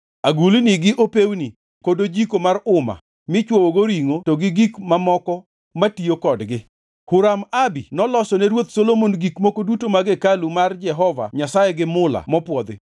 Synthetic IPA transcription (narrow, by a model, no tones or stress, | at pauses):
aɡulniɡɪʔopewni | kodod͡ʒikomarʊma̰ | mɪt͡ʃwowoɡoɾiŋotoɡɪɡikmamɔkɔ | matiokɔdɡɪ | hʊɾamabinɔlɔsɔnɛɾwot̪solomonɡikmokodutomaɡekalumard͡ʒɛɦɔva̰ɲasajɛɡɪmʊla̰mɔpwɔd̪ɪ̰